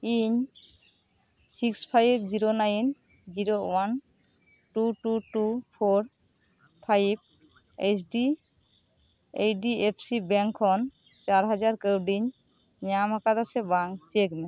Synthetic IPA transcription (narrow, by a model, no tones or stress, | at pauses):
iɲ | sikspʰajb̚d͡ʒiɾonajn | d͡ʒiɾowan | ʈuʈuʈupʰoɾ | pʰajb̚ | esɖi | ejɖiepʰsibɛŋkʰɔn | t͡ʃaɾɦad͡ʒaɾkəwɖiɲ | ɲamakat̪asɛbaŋt͡ʃekna